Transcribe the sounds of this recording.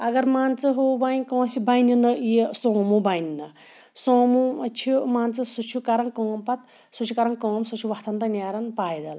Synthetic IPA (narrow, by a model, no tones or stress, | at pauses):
ɐɡɐɾmaːnt͡sɨɦoːbanʲkõːsibajninɐesõːmubajnnɨ | sõːmut͡ʃʰimaːnt͡sɨsut͡ʃʰukɐɾɐŋkɔ̃ːmpɐt̪ | sut͡ʃʰukɐɾɐŋkõːmsut͡ʃʰuʋɐkt̪ʰɐnt̪ɐnʲaːɾɐnpaːjd̪ɐl